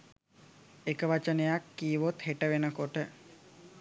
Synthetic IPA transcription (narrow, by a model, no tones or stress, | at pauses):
ekəʋat͡ʃənejakːiːʋot̪heʈəʋenəkoʈə